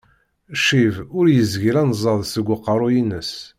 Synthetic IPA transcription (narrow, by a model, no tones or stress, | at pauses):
ʃivʊɾjəzʝiɾænzˤɑðˤsəɡʷːəqːəɾˤʊjinəs